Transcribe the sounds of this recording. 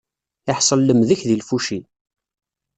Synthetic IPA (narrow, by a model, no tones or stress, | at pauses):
ɪħsˤəlːəmðəçðilfuʃi